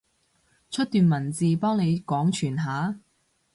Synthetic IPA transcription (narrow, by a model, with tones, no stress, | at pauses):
t͡ʃʰɵ˥t̚t̪yː˨˧nmɐ˨˩nt͡siː˨pɔː˥ŋne˨˧jkɔː˨˥ŋt͡ʃʰyː˨˩nɦaː˨˥